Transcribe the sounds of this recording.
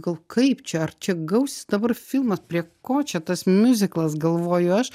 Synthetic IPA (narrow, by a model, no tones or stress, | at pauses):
ɡɐlˠkɐɪpt͡ʃʲɛɐrt͡ʃʲɛɡɐʊsʲɪ̥sd̪ɐbɐrfʲilˠmɐspʲɾʲiɛkoːt͡ʃʲɛt̪ɐsmʲʊzʲɪklˠɐsɡɐlˠʋoːjʊɐʃ